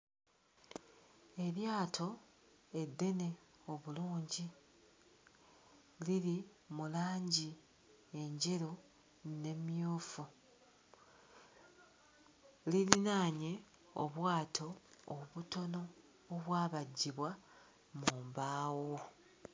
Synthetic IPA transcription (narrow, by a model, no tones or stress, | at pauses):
e̞ɾjaːtʰo̞ | e̞dːe̞ne̞o̞βuluːɲɟi | liɾi | mulaːɲɟi | e̞ɲɟe̞ɾo | ne̞mjuːfu | lilinaːɲe̞ | o̰βwaːtʰo̞ːβuto̞no̞ː | βwaːβaɟːiβwa | muːmbaːwo